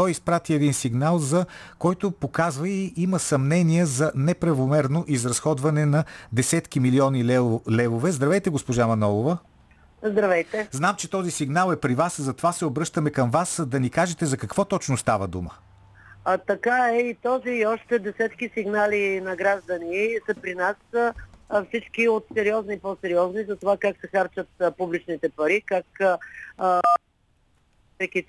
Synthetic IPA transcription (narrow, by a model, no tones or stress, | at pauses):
t̪ɔjispɾat̪iɛd̪insiɡnalˠzɐkɔjt̪opokazvəiʔiməsɐmnɛniɛzɐnɛpɾɐvomɛɾnoʔizɾɐsxɔd̪vɐnɛnɐd̪ɛsɛt̪kimiliɔnilɛvovɛzd̪ɾɐvɛjt̪ɛɡospoʒamɐnɔlˠovə | zd̪ɾɐvɛjt̪ɛznamt͡ʃɛt̪ɔzisiɡnalˠɛpɾivaszɐt̪ovasɛobɾɤʃt̪əmɛkɐmvasd̪ɐnikaʒɛt̪ɛzɐkɐkv̥ɔt̪ɔt͡ʃnʊst̪avəd̪umə | t̪ɐkaɛit̪ɔziːɔʃt̪ɛd̪ɛsɛt̪kisiɡnalinɐɡɾaʒd̪əniɛsəpɾinasəfsit͡ʃkiot̪sɛɾiɔznipɔsɛɾiɔznizɐt̪ovakaksɛxaɾt͡ʃət̪̚publit͡ʃnit̪ɛpɐɾikak | pɾɛki